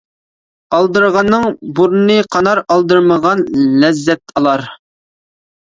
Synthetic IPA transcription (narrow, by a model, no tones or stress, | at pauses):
ɑlˠd̪əɾʁɑnːɨŋbuɾnɨqʰɑnɑɾɑlˠd̪ɨɾməʁɑnlɛzːɛt̪ɑlˠɑɾ